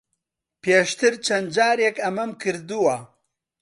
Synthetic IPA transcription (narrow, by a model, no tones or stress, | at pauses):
peːʃt̪ɨɾt͡ʃʰɐnd͡ʒaːɾjekɐmɐmkʰɨɾd̪uwɐ